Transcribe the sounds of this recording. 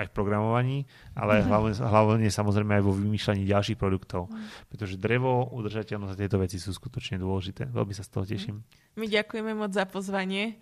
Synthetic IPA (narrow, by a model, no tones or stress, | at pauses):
ajfpɾɔɡɾamɔʋaɲiː | a̰lɛajɦlaʋɦlaʋɲɛsamɔzɾɛɪmɛajʋɔʋimiːʃlaɲiːɟalʃiːxpɾɔd̪ukt̪ɔʊpɾɛt̪ɔʒɛd̪ɾɛʋɔud̪rʒacɛʎnɔzat̪jɛjt̪ɔʋɛt͡sisuːsku̥t̪ɔt͡ʃɲɛd̪ʊɔlɛʒit̪ɛ̰ːʋɛ̰lmisast̪ɔɦɔcɛʃim | miɟakujɛmɛmɔd͡zzapɔzʋaɲɪɛ